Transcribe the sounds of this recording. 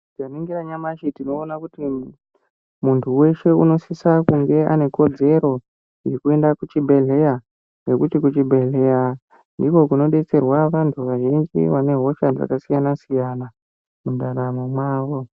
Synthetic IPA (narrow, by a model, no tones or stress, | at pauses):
kaniŋɡiraɲamaʃitino̞ːnakuti | muntʰuwe̞ʃe̞uno̞sisakuŋɡe̞a̰ne̞ko̞d͡ze̞ɾo̞ | jekue̞ndakut͡ʃibʱe̞ɮe̞ja | ne̞kutikut͡ʃibʱe̞ɮe̞ja | ndiko̞kuno̞ɗe̞t͡se̞rwaʋantʰuʋaʒind͡ʒḭʋane̞ɦo̞ʃad͡za̰kasijanasijana | mudaɾamomwaːʋo̞